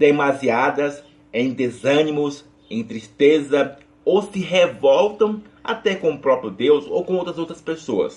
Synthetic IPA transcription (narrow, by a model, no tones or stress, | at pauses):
d̪emaziad̪ɐs | ẽj̃d̪ezɐ̃nimʊs | ẽj̃t̪ɾist̪ezɐ | owsɪɦevɔwt̪ɐ̃w̃a̰t̪ɛkõʊpɾɔpɾijʊd̪ewso̰wkõowt̪ɾɐzowt̪ɾɐspesoɐ̰s